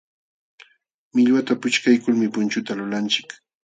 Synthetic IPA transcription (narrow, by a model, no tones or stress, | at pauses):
mɪʎwat̪apʊt͡ʃkajkʊlmɪpʊnt͡ʃʊt̪alʊlant͡ʃɪ̥k